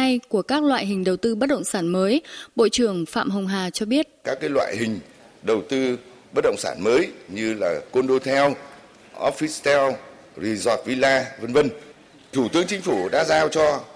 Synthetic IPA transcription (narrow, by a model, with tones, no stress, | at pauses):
a˧jku˧˩əkaː˦˥k̚lwa̰ː˧˨jɦï˨˩ŋ̟ɗə˨˩wt̪ɨ˧ɓə˦˥t̚ɗə̰˧˨wŋ͡msaː˧˩nməː˨˦jɓo̰˧˨t͡ɕɨ˨˧˩əŋfa̰ː˧˨mɦə˨˩wŋ͡mɦaː˨˩t͡ɕɔ˧ɓi˦˥ət̚kaː˦˥kːaː˨˦jlwa̰ː˧˨jhï˨˩ŋ̟ | ɗə˨˩wt̪ɨ˧ | ɓə˦˥t̚ɗə̰˧˨wŋ͡msaː˧˩nməː˨˦jɲɨ˧laː˨˩ko˧nɗo˧jt̪ʰɛ˧w | ʔɔ˦˥fi˦˥st̪ɛ˧w | zi˧˩zɔ˨˩t̚vi˧laː˧və˧nvə˧n | t̪ʰu˧˩t̪ɨ˨˦əŋt͡ɕï˧˦ŋ̟fu˧˩ɗa̰ː˧˥zaː˧wt͡ɕɔ˧